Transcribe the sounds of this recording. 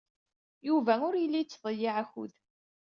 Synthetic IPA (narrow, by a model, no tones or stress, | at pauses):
juvæʊɾjəlːit͡sːðˤəjːiʕæçṵð